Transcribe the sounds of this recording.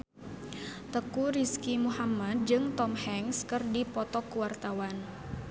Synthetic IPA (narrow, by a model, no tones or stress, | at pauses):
t̪əkuɾiskimuhamad̪̚d͡ʒɨŋt̪ɔmhɛŋskərdipɔt̪ɔkuwart̪awan